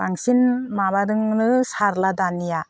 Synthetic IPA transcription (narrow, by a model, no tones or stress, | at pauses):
aŋsinmaβadɯŋnɯsaɾladanija